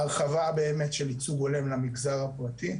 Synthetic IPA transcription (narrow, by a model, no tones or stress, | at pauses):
aχavabe̞ːmetʃelit͡suɡo̞lemlamiɡzaʁapʁati